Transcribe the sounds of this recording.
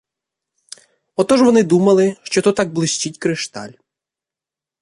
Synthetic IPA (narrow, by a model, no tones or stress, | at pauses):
ɔt̪ɔʒʋɔnɪd̪umɐlˠɪʃt͡ʃɔt̪ɔt̪ɑɡ̚blˠɪsʲt͡ʃʲitʲkɾɪʃt̪ɑ̰lʲ